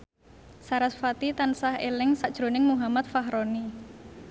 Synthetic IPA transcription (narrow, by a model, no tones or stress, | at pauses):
saɾasfat̪it̪ansahelɪŋsaʔd̥ʒ̥ɾonɪŋmuɦamat̪̚faɦɾoni